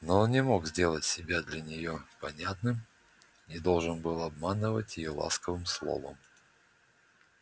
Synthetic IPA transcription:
nonʲɪmo̞kzʲdʲe̞lˠətʲsʲɪbʲad̪lʲɐnʲɪjopɐnʲat̪nɨm | ɪd̪o̞lˠʐɨnbɨlˠɐbmanɨvətʲjɪjolˠa̰skəvɨmslˠo̞̰və̰m

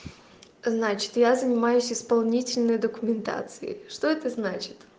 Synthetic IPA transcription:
znat͡ɕɪ̥t̪jazənʲɪmajʊsʲɪspɐlˠnʲitʲɪlʲnəjd̪əkʊmʲɪnt̪a̰t̪sɨɪ̰ʂt̪o̞ɛt̪əznat͡ɕɪ̥t̪

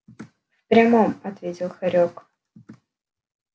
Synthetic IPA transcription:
fpɾʲamomɐt̪vʲetʲɪlˠxɐɾʲok

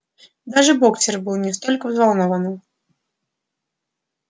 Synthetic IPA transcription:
d̪aʐɨbɔkt͡sʲɛrbɨlˠnʲɛst̪ɔlʲkɐvzvalˠnɔvɐnɨ

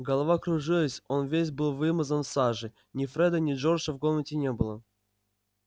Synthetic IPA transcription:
ɡəlˠɐvakɾʊʐɨlˠəsʲo̞nvʲesʲbɨlˠvɨməzənsaʐɨ | nʲɪfɾɛd̪ənʲɪʐorʂəvɡomnətʲɪnʲebɨlˠə

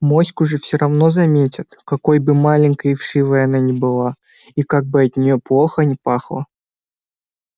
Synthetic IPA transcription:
mo̞sʲkʊʐɨfsʲɪɾʔɐvno̞zɐmʲetʲɪt̪kɐko̞jbɨmalʲɪnʲkəɪfʂɨvəjɐn̪anʲɪbɨlˠa | ikaɡ̚bɨɐt̪nʲɪjo̞plˠo̞xənʲɪpaxlˠə̰

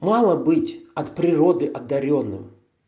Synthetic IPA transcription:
malˠəbɨtʲɐt̪pɾʲɪɾod̪ɨʔɐd̪ːɐɾʲonːɨ̰m

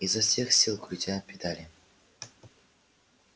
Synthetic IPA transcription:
izːɐfsʲe̞xsʲilˠkɾʲʊt̪ʲapʲɪd̪alʲɪ

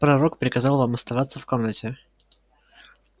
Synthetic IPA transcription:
pɾɐɾokpɾʲɪkɐzɑlˠvamɐst̪ɐvat̪səfko̞mnətʲɪ

